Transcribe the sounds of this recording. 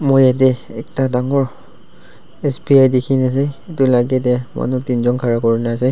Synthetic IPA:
mojjat̬ɛɛk̚tadaŋɔɹ | ɛsbiajdekʰinas̬ɛetʊlaɡɛtɛma̰nutinzɔnkʰaɹakɔɹinas̬ɛ

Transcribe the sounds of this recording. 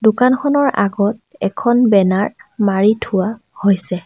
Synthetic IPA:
dʊkanxʰɔnɔɹʔa̰ɡɔtɛkʰɔnbɛnaɹmaɹitʰʊwa | hojsɛ

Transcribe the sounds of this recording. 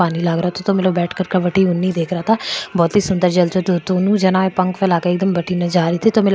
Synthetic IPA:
aːniːlaːɡɾaːt̪ʰot̪oːmɛləbɛːʈʰkəɾkəʋəʈiːʊnːiːd̪eːkʰɾaːt̪aːbɔːt̪iːsʊnd̪əɾd͡ʒəlt͡ʃoːt̪ot̪oːnũːd͡ʒənãːepəŋkfʰɛlaːkeːɪk̚d̪əmbəʈiːnad͡ʒaːɾiːt̪ʰiːt̪oːmɛl

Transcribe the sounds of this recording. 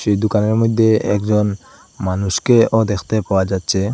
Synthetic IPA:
ʃed̪ukaneɾmod̪ʱːeɛ̰kd͡ʑon | manuʃkeod̪ekʰt̪epaoad͡ʑatːɕʰe

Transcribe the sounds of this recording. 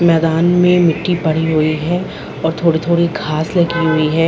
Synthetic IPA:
mɛːd̪aːnmẽmɪʈːipɐɽ̤iɦʊiɦɛ | ɔːɾt̪ʰoːɽit̪ʰoːɽiɡʱaːslɐɡiɦʊiɦɛː

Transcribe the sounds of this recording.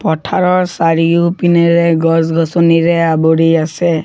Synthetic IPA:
pɔtʰaɹɔɹsaɹiupinɛɹɛɡɔsɡʱɔsɔniɹɛaboɹiasɛ

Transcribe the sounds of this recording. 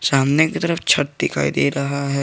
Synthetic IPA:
saːmnaket̪əɾəft͡ʃʰɐʈ̚d̪ɪkʰa̰ːḭd̪eːɾɐɦaɦɛː

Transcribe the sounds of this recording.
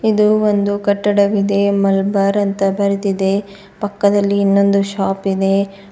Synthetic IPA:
id̪uond̪ukɐʈːɐɽɐʋid̪e̞mɐlbaːɾɐnt̪ɐbɐɾit̪id̪e̞ | pɐkːɐd̪ɐlːiːnːo̞nd̪uʃaːpid̪e̞

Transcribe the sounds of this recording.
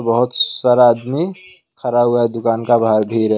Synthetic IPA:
bəɦʊt̪səɾaːd̪mi | kʰəɾabɦuad̪ʊkaːnkabʱaɾbʱiːɾɦɛ

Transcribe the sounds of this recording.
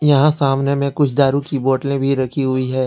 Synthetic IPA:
jɐɦãsaːmnemẽkʊt͡ʃʰd̪aːɾũkiboːʈlẽbʱiɾɐkʰiɦʊiɦɛː

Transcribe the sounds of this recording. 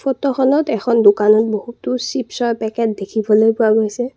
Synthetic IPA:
pʰɔtɔxɔnɔtɛxʰɔndukanɔt̚bohutːʊsipsɔjpɛkɛtdekʰibɔlojpʊaɡojsɛ

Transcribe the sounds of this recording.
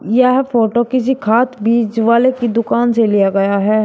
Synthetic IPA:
jaɦfoːʈokɪsikʰaːt̪ʰbiːd͡ʒʋaːlekid̪ʊkaːnselijaɡɐjaɦɛː

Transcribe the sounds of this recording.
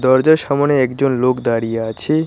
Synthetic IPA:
d̪ɔɾd͡ʑaɾʃamoneɛkd͡ʑonlokd̪aɾijeat͡ɕʰe

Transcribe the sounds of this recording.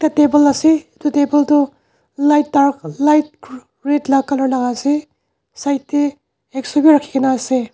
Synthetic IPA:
tatebɐlɐsetutebɐltu | lajt̚daɾklajt̚ | ɾetlaɡkalaɾlaɡase | sajtːe | eksubiɾakʰːi̥kenase

